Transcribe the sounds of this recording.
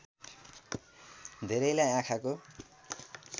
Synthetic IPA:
d̪ʱeɾʌjlajãkʰako

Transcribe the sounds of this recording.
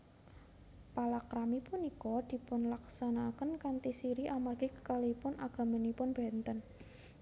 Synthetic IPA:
palakɾamipunikɔd̪̥i̤pʊnlaksanakənkant̪isiɾiʔamarɡikə̥kalipʊnʔaɡ̥a̤mənipʊnb̥ɛ̤nt̪ən

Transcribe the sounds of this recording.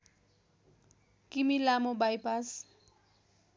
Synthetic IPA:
kʼɪmilamobajpʼas

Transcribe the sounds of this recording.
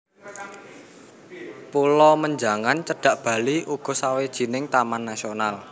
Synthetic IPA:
pulɔməɲd͡ʒaŋant͡ʃəɖ̥ä̤ʔb̥a̤liʔuɡ̥ɔ̤sawed̥ʒ̥i̤nɪŋt̪amanːasional

